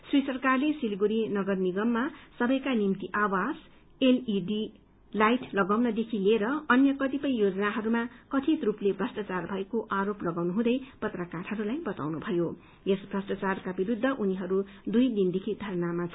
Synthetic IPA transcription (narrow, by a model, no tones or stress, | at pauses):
srisʌrkarlesilɡuɾinʌɡʌrniɡʌmːasʌbʌjkanimt̪iʔawas | eliɖi | lajʈlʌɡawnʌd̪ekʰileɾʌʌnjʌkʌt̪ipʌjjod͡zʌnaɦʌɾumakʌt̪ʰit̪ruplebrʌsʈat͡sarbʱʌekoʔaɾoplʌɡawnuɦũd̪ʌjpʌt̪rʌkarɦʌɾulajbʌt̪a̰wnubʱʌjo | esbrʌsʈat͡sarkabiɾud̪ʱːʌʔuniɦʌɾu | d̪ujd̪ind̪ekʰid̪ʱʌɾʌnamat͡sʰ